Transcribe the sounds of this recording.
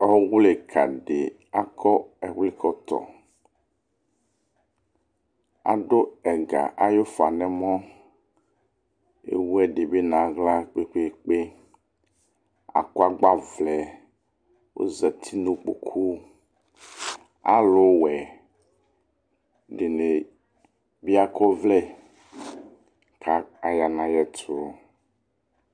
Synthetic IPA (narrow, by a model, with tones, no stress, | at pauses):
ɔ˦wu˦le˨kʰa̰˨ɖe˨ | a˦kʰɔ˦ɛ˨wi˦kʰɔ˦t̪ɔ̰˨ | a̰˨ɖo˦ɛ˨ɡa̰˨ʔa˨jo˦fa˨nɛ̃˦mɔ̃˦ | ḛ˨wu˦ɛ˦ɖe˨be˦nã˨ɣla˦k͡pe˦k͡pe˦˨k͡pe˦ | a̰˨kɔ˦a˦ɡ͡ba˦vlɛ˨ | wʔo̰˦zɛ˨t̪ʰi˦nõ˦k͡po̰˨kʰu˦ | a̰˦lo˨wɛ˨ | ɖe˨ne˨ | bi˦a˦kʰɔ˦vlɛ˦ | ka˦a˨ja˨nã˨jɛ˦t̪o˨˦